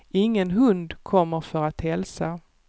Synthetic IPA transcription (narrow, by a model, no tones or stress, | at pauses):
ɪŋːənɦɵnd̪kʰɔmːəɾfœɾat̪hɛlsa